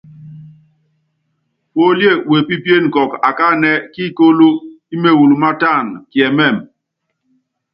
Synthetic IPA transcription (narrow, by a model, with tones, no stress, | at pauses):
po˦lje˦˨we˨pi˦pje˦˨n̩˨kɔ˨ka˨ka˦˨nɛ˦ki˦˨ko˦lo˦ | i˦me˦˨wu˨lu˨ma˦ta˦˨nkjɛ˨mɛ˦˨m